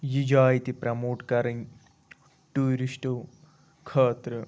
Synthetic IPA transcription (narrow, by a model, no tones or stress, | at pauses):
jid͡ʒaːjt̪ipɾɐmoːʈkɐɾɐŋ | ʈuːɾiʃʈoː | kʰɐːt̪ɾə